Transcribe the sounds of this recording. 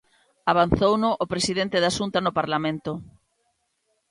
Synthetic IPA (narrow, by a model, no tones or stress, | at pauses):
aβ̞anθownʊʔopɾesiðent̪ɪðasunt̪anʊpaɾlamẽnt̪ʊ